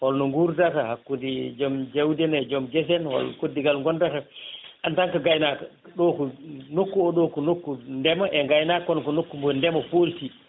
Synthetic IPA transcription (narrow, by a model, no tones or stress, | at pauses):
wɔlnɔŋɡuɾdatahakːudid͡ʒɔmd͡ʒawdɛnɛd͡ʒɔmd͡ʒɛs̬ɛnwɔ̰lkodːiɡalŋɡɔndataʔantaŋkaɡajnaka | ɗɔkunokːuɔɗokunokːundɛmaʔɛŋɡajnakɔnɔkɔnokːumbɔndɛmafolti